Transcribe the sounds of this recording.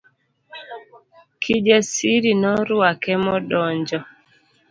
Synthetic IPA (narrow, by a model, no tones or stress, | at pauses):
kʰid͡ʒɛsiɾinɔɾuakɛmɔɗɔɲd͡ʒɔ